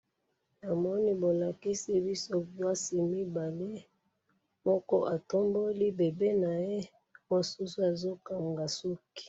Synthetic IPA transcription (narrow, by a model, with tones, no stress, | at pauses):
na˨mɔ˦ni˦bo˨la˨ki˦si˦bi˦so˦ba˦si˨mi˦ba˨le˦ | mɔ˦kɔ˦ʔa˨to˦mbo˦li˦be˨be˦na˨je˦ | o˦˨su˦su˦a˨zo˦ka˨ŋɡa˨su˦ki̥˨